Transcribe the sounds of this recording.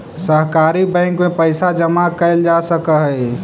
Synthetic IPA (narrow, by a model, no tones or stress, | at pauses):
səɦkaːɾibə̃ɪŋkmẽpəɪsad͡ʒəmakəɪld͡ʒasəkəɦə